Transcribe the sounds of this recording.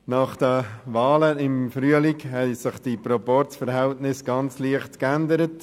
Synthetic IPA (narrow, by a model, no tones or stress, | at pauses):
nɑχd̥əʋɑːləɪmfryəlikhɛɪsɪχd̥ipɾɔpɔrtfəɾɦɛltnɪsɡ̥ɑnt͡sliəχtkændəɾət